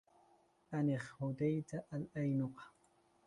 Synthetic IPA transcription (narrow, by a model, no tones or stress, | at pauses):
aneχhʊd̪ajt̪aʔalajnoqɑ̥